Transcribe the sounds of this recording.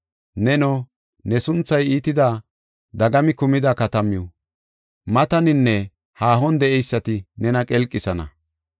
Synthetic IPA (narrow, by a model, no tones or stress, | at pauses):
nɛnɔ | nɛsʊnt͡sːɐjiːt̪ɪd̪a | d̪ɐɡɐmɪkʊmɪd̪ɐkɐt̪ɐmɪjɔ | mɐt̪ɐnɪnːɛ | haːɦɔnd̪ɛʔɛjsːɐt̪ɪnɛnɐkʼɛlkʼːɪsɐnɐ̰